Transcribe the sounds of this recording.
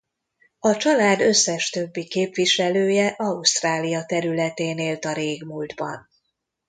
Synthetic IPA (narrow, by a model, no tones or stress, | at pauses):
ɒt͡ʃɒlaːd̪ø̞sːɛʃt̪ø̞bːikeːpʋiʃɛløːjɛʔɒust̪raːlijɒt̪ɛɾylɛt̪eːneːlt̪ɒɾeːɡmuːld̪bɒ̰n